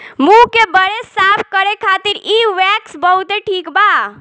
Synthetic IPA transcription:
mũkebəɾesapʰkəɾekʰat̪iɾiʋɛksbəɦut̪eʈʰikba

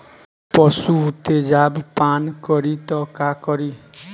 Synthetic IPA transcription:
pɔsuːt̪ed͡ʒabpankɔɾit̪ɔkakɔɾi

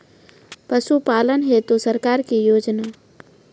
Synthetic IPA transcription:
pəʃupaːlənɦɛt̪osɐɾkaːɾkijoːd͡ʒnaː

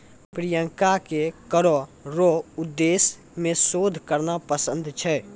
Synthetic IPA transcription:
pɾijə̃ŋkakekəɾoɾoʊd̪ːeːs | mẽsoːd̪ʱkəɾnapəsə̃nd̪ʱt͡ʃʰɛː

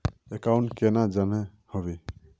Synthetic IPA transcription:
ɛkawnkɛnad͡ʒanɛ | hɔβi

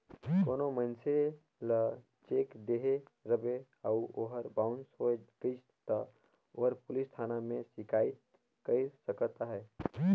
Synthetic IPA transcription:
koːnomənse | lə | t͡ʃeːkd̪eːɦeɾəbe | əuoɦəɾbaʊnsɦoɡət͡ʃʰ | t̪ə | oɦəɾpʊlist̪ʰaːnamẽsɪkʰaːi | kəisəkət̪aɦɛː

